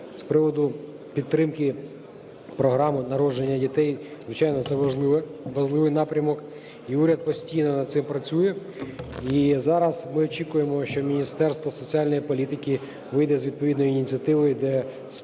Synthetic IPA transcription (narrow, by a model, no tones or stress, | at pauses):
spɾɪʋɔd̪ʊ | pʲit̪ːɾɪmkɪ | pɾɔɦɾɑmʊnɐɾɔd͡ʒenʲːɐdʲit̪ɛjzʋɪt͡ʃɑjnɔt̪sɛ | ʋɐʒlˠɪʋɪjnɑpɾʲɐmɔk | iuɾʲɐd̪̚pɔsʲtʲijnɔnɐd̪t̪sɪmpɾɐt͡sʲujɛ | izɑɾɐzmɪɔt͡ʃʲikʊjemɔʃt͡ʃɔmʲinʲist̪ɛrst̪ʋɔsɔt͡sʲiɑlʲnɔjipɔlʲit̪ɪkɪ | ʋɪjd̪ɛzʲʋʲid̪̚pɔʋʲid̪nɔjiːnʲit͡sʲiɐt̪ɪʋɔjʊd̪ɛ | s